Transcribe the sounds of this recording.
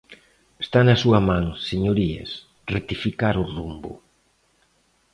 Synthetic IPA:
est̪anɐsuɐmãŋseɲoɾiḛs | ret̪ifikaɾʊrumbʊ̰

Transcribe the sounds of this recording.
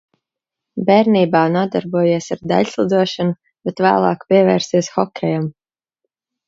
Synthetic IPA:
bʲɛɾniːbaːnuɔd̪aɾbuɔjiɛsaɾd̪a̰ʎʲslˠud̪uɔʃanu | b̥ɛt̪væ̰ːlˠɑ̰ːkpʲiɛvɛːɾsiɛsxɔkʲʰɛjam

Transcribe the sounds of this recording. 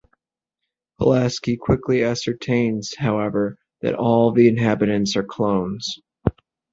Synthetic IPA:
hʰə̰læskikʰw̥ɪkliæsə˞tʰẽɪ̃nz̥haʊɛvə˞ | ðɨ̰ɾɔlˠðiɨ̃nɦæbɨɾɨ̃ntsə˞kʰl̥õʊ̃nz̥

